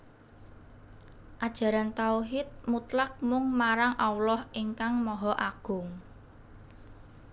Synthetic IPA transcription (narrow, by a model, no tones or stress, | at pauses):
ʔad̥ʒ̥ä̤ɾant̪auɦɪt̪̚mut̪lak̚mʊŋmaɾaŋʔawlɔhʔiŋkaŋmɔɦɔʔaɡ̥ʊ̤ŋ